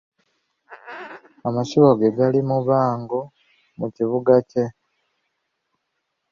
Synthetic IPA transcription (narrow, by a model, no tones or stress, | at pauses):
amaʃiβoɡeɡalimuβaːŋɡo | muciβuɡace̞